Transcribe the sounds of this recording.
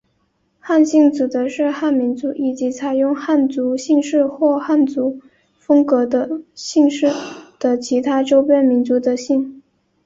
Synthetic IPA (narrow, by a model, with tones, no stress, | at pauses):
xa˥˧nɕi˥˩ŋt͡sɹ̩˨˩d̪ə˧˦ʂɻ̩˥˧xa˥˩nmi˧˥nt͡su˧˥ʔi˨˩t͡ɕi˧˥t͡sʰa˨˩ɪjʊ˥˧ŋxa˥˩nt͡su˧˥ɕi˥˧ŋʂɻ̩˥˧xwɔ˥˧xa˥˩nt͡su˧˥ | fɤ˥ŋkɤ˧˥d̪ə˧ɕi˥˧ŋʂɻ̩˥˩d̪̥ə˨˩t͡ɕʰi˧˥t̪ʰa˥ʈ͡ʂo˥ʊpjɛ˥nmi˧˥nt͡su˧˥d̪ə˧ɕi˥˩ŋ